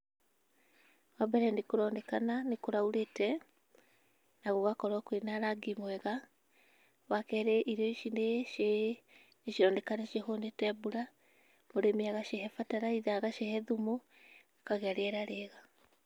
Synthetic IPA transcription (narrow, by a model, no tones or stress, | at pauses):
wabɛɾɛnekoɾɔːndɛkananekoɾauɾetɛ | naɣoɣakɔɾwakoenaɾaɡimwɛɣa | wakɛɾeʔiɾɔiʃineʃe | neʃiɾɔndɛkaneʃehonetɛbuɾa | moɾemiaɣaʃeɦɛfataɾaiðaɣaʃehɛðumo | kaɣɛɾeɛɾaɾeɣa